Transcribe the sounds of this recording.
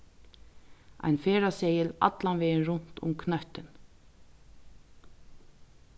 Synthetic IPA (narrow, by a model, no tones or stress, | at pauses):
a̰jnfeːɾasɛːjɪla̰t̪lanvɛːnɾʊn̥t̪ʊ̰mkʰnœht̪ɪn